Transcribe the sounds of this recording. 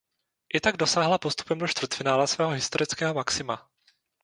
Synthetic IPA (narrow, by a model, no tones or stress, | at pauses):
ʔɪt̪aɡdo̞saːɦlapost̪u̥pɛmdo̞ʃt̪vr̩t̪fɪnaːlasvɛːɦoɦɪst̪oɾɪt͡skɛːɦo̞maksɪma̰